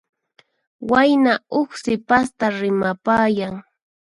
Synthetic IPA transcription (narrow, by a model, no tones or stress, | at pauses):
wajnaʊχsɪpast̪aɾɪmapaːjaŋ